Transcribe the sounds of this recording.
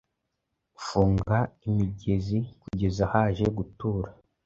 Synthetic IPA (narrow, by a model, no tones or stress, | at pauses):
fuːŋɡaimiɟe̞zikuɟe̞zahaːʒe̞ɡutuːɾa